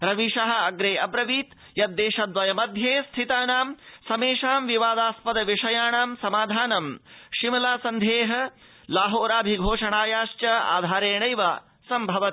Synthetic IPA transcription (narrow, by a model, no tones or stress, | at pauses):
ɾɐʋiʃɐɦɐ̆ɐɡɾeːɐbɾɐʋiːt̪ | jɐt̪̚ːeːʃɐd̪ʋɐjɐmɐd̪ʱjeːst̪ʰit̪aːnaːmsɐmeːʃaːmʋiʋaːd̪aːspɐd̪ɐʋiʂɐjaːɳaːmsɐmaːd̪ʱaːnɐmʃimɐlaːsɐnd̪ʱeːɦɐ | laːɦoːɾaːbʱiɡʱoːʂɐɳaːjaːʃt͡ʃɐa̰ːd̪ʱaːɾeːɳɐjʋaː | sɐmbʱɐʋɐt̪